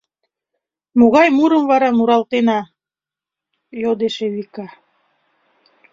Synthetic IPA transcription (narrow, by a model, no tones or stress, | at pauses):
moɣɑjmuɾəmvɑɾɑmuɾɑlˠt̪enɑ | jod̪eʃeβikɑ